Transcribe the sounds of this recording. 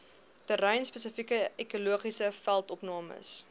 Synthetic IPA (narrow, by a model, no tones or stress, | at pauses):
təɾɛjnspəsəfikəekuluəχisəfælˠtɔpnɑːmə̰s